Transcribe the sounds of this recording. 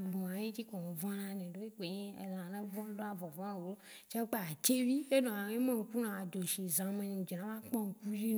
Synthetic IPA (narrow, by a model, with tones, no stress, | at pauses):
ɡ͡bõ˨ã˨je˦d͡ʒi˦kɔ˨ŋ˨vɔ̃˦nã˦nẽ˨ɖo˦i˦k͡pe˨ɲẽ˦ḛ˨zã˨nã˦vɔ̃˦lõ˦a˦vɔ˨vɔ̃˦ã˦˨wo˨lo˦ | t͡ʃa˦k͡pa˦a˨t͡ʃe˦vi˦e˦nõ˨ã˨e˦mẽ˦ŋ̩˨ku˦nã˨d̪o˨ʃi˨zã˨mẽ˨n˨d͡ʒi˨nã˨˦mã˦k͡pɔ̃˦ŋ̩˨ku˦d͡ʒi˦n˨